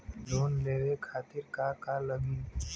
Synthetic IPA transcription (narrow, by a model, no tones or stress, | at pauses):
loːnleːʋekʰaːt̪ɪɾkakaləmiːn